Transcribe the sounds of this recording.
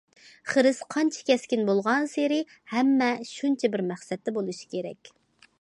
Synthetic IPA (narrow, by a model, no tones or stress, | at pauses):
χəɾɪsqʰɑnt͡ʃʰɛ̥kʲɛskʲinbolˠʁɑnseɾɪ | hɛmːɛʃunt͡ʃʰɛbɪɾmæχsɛt̪ːɛbolˠuʃi̥kʲʰeɾɛ̰kʲ